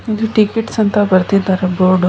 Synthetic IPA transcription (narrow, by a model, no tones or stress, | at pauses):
id̪uʈikiʈsɐnt̪ɐbɐɾt̪id̪aːɾeboːɖ